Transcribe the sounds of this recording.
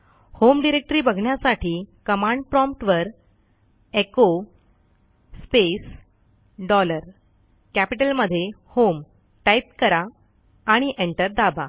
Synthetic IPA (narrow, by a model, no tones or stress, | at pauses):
homɖiɾek̚ʈəɾiːbəɡʱɳjasaʈʰiːkəmãɳɖ̚pɾɔ̃mp̚ʈʋəɾ | eko | spes | ɖɔləɾ | kæpiʈəlməd̪ʱːje | hom | ʈajp̚kəɾaː | ɽ̃iʔeɳʈəɾd̪aba